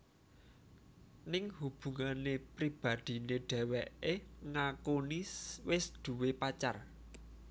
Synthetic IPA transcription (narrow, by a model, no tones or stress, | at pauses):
nɪŋhub̥ṳŋanepɾib̥a̤d̪̥i̤neɖ̥ɛ̤wɛʔeŋakoniswɪsd̪̥ṳwepat͡ʃar